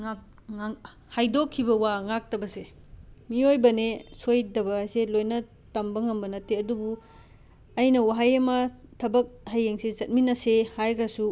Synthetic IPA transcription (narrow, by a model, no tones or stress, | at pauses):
ŋa | ŋa | hajdokʰːibɐwaŋak̚tɐbɐsemiojbɐnesojdɐbɐselojnɐ | tɐmbɐŋɐmbɐnɐtʰːeɐdubu | ɐjnɐwaɦajɐmɐtʰɐbɐk̚hɐjeŋsezɐt̚minɐsehajkʰɾɐsu